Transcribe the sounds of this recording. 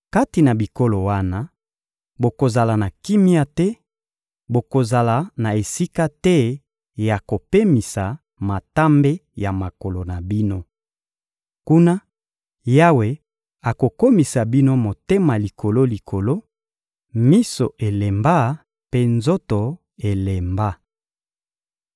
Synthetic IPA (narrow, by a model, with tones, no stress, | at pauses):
ka˦ti˨na˨bi˨ko˦lo˨wa˦na˦ | bo˨ko˨za˨la˨na˨ki˦mi˦a˦tɛ˦ | bo˨ko˨za˨la˨na˨e˨si˦ka˦tɛ˦ | ja˨ko˨pe˦mi˨sa˨ | ma˨ta˦mbe˦ja˨ma˨ko˨lo˨na˨bi˦no˦ | ku˦na˦ | ja˦we˨ | a˨ko˨ko˦mi˨sa˨bi˦no˦mo˨te˦ma˨li˨ko˨lo˦li˨kʰo˨lo˦ | mi˦so˨ʔe˨le˨mba˦ | pe˦nzo˦to˨ | e˨le˨mba˦